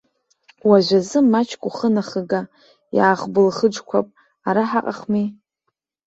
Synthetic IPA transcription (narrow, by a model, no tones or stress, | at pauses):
waʒʷazɨmːat͡ʃʰkʷʼuχənaχəɡa | ja̰ːχbɨlχəʈ͡ʂkʷʰapʼ | aɾaħaqʼaχmi